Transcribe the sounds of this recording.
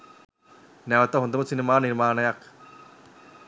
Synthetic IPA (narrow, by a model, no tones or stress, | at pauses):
neʋɐt̪ːɐɦond̪ɐmɐt̪sinimaːniɾmaːnɐjak